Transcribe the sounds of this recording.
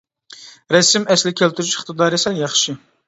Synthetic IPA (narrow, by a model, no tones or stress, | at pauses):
ɾɛsɪmɛslɪkʲʰælt̪ʰyɾyʃɪ̥χt̪ɨd̪ɑɾesɛljɑχʃɪ